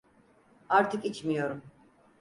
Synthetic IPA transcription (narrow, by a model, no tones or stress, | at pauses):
aɾt̪ʰikʼit͡ʃʰmijɔɾum